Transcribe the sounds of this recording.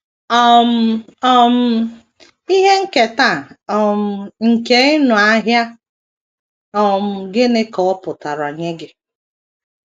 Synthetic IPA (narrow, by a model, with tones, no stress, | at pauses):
ɔ˦m̩˦ɔ˦m̩˦ | i˦ɦe˦ŋ̩˦ke˨ta˦˨ɔ˨m̩˨˦ŋ̩˨ke˦ɪ˦nʊ˨a˦ɦja˦ | ɔ˦m̩˨ɡɪ˦nɪ˦kɔ˨ɔ˦pʊ˨ta˨ɾa˨ɲe˦ɡɪ˨